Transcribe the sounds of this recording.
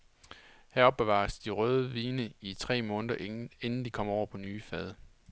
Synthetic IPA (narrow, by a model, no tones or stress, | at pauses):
hæɐɒ̽b̥ːe̝ʋɑ̰̈sd̥iʁœːð̞ˠəʋiːnəit͡sʰʁɛ̰ːmɔ̽ːnd̥ɐe̝nn̩d̥ikʰɒ̽m̰ɒʊ̰ɐpʰɒ̽nyːfɛð̞ˠ